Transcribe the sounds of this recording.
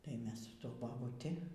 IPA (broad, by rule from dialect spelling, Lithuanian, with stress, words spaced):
tɐɪ ˈmʲɛs sʊ ˈtuɔ bɐbʊˈtʲɪ